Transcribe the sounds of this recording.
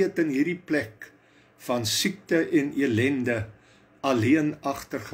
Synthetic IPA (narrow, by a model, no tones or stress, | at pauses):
ətənɦirdiplɛk | fɐnsik̚təʔɛniəlɛndə | ɐliənɐχtərχə